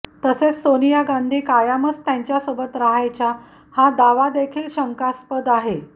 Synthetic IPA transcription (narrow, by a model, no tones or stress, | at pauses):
t̪əset͡ssonijaɡand̪ʱiːkajamət͡st̪jaɲt͡ɕjasəbət̪ɾaɦajt͡ɕa | had̪aʋad̪ekʰiːlɕəŋkaspəd̪aɦe